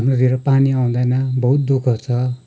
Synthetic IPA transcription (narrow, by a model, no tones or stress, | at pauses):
nod̪ʱieɾʌpaniaũd̪ajnabʌɦut̪̚d̪ukʰʌt͡sʰʌ